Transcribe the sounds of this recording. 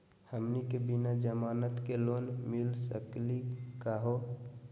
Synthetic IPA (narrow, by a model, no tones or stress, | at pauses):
həmnikebinad͡ʒəmaːnət̪kelonmɪlsəklikaɦo